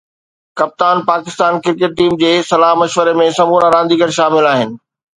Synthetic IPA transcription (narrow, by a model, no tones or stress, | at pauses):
kɐp̚t̪aːnpaːkɪst̪aːnkɪɾkeːʈ̚ʈiːmd͡ʑeːsɐlaːɦmɐʃʋəɾemẽsɐmuːnaɾãːnd̪iːɡəɾʃaːmɪlaːɦɪnɪ̆